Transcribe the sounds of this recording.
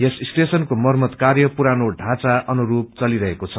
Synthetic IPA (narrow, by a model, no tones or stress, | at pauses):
jesisʈesʌnkomʌrmʌt̪karjʌpuɾanoɖʱãt͡saʔʌnuɾup̚t͡sʌliɾʌɦekot͡sʰʌ